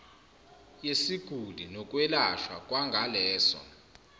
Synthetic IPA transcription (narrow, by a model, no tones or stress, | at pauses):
jesiɡ̥ʱulʱinɔk̬ʼwɛlaʃwa̰kʼwaŋɡʱalɛːsɔ̰